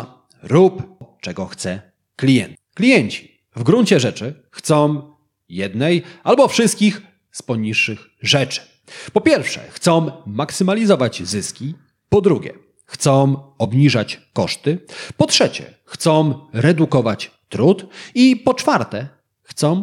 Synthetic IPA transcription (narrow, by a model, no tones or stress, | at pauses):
ɾupt͡ʂɛɡɔxt̪sɛ | klʲijɛnt̪klʲijɛɲt͡ɕi̥ | vɡɾuɲt͡ɕɛʐɛt͡ʂɘ | xt̪sɔ̃w̃ | jɛd̪nɛjalbɔfʂɘst̪̚kʲix | spɔɲiʂːɘx | ʐɛt͡ʂɘ̥ | pɔpʲjɛɾfʂɛ̰xt̪sɔ̃w̃maksɘmalʲizɔvad͡ʑzɘskʲi | pɔd̪ɾuɡʲɛ̰ | xt̪sɔ̃ɔbɲiʐat͡ɕkɔʂt̪ɘpɔtʂɛt͡ɕɛ̰ | xt̪sɔ̃w̃ɾɛd̪ukɔvat͡ɕ | t̪ɾut̪ipɔt͡ʂfaɾt̪ɛ | xt̪sɔ̃w̃